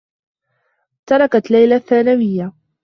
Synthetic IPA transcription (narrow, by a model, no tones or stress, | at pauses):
t̪ɑɾˤɑkat̪lajlaθːaːnawɪjːa